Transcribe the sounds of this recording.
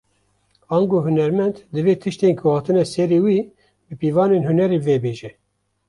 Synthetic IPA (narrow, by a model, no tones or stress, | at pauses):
ɑːŋɡoːɦunɛɾmɛnd̪d̪ɨveːt̪ʰɨʃt̪eːnkʰʊhɑːt̪ɨnɛsɛɾeːwiː | bɨpiːvɑːneːnhunɛɾeːveːbeːʒɛ